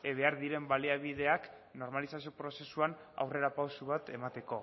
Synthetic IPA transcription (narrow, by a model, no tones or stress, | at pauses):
eβe̞aɾðiɾe̞mbaliaβ̞ið̞e̞ak | no̞ɾmalisasio̞pɾo̞se̞suan | a̰wre̞ɾapawsuβat̪e̞mat̪e̞ko̞